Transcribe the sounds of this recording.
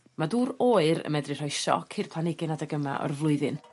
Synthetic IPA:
maduːɾoːɨɾə̰mɛdrɨr̥ɔɨʃɔ̰kʰirpʰl̥ˠanɪɡɪnadaɡəma̰ʔɔ̰rvlˠʊɨðɨn

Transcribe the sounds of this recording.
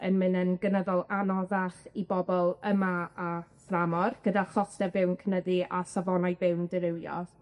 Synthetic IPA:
ənmɨnənɡənəðɔlˠanɔðaχibɔbɔlˠəmaaframɔrɡ̥ədaχɔstɛbɪwnkʰənəðiasavɔnajbɪwndəɾɪwjɔ̰ð̥

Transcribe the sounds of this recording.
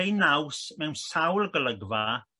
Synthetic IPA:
jnawsmɛwnsawlˠɡələɡva

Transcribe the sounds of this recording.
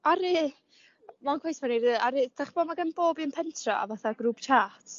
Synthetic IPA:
aɾi | mankʰwejsmaniɾɨːaɾɨd̥aχb̥ɔmaɡanboːbinpʰɛntʰrɔ̰a̰vaθaɡruːpt͡ʃʰaːtʰ

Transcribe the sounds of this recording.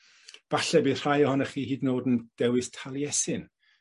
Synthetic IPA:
b̥aɬɛbiðr̥ajɔhɔnəχiːhiːdnoːdənd̥ɛwɨstʰalˠjɛsɪn

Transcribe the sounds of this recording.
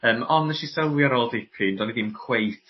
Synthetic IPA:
əːmɔnəʃisəwjaɾoːlˠdikʰɨndɔniðimkʰw̥ejθ

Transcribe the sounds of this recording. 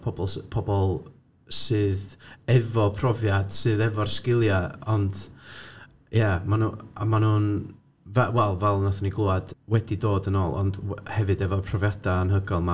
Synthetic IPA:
pʰɔbɔlˠspʰɔbɔlˠ | sɨːðɛvɔpʰrɔvjad̥sɨːðɛvɔrskɪlˠjaɔnd̥ | jamanua̰manuːn | vɛwɛlˠvɛlˠnaθɔniɡlˠuad̥wɛdidoːdənoːlˠɔ̰ndhɛvɨdɛvɔpʰrɔvjad̥aənɦəɡɔlˠma

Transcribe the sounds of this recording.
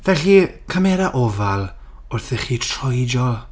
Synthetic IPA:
vɛɬikʰamɛɾaʔɔvalˠ | ʊrθɪχiːtʰrɔjd͡ʒɔlˠ

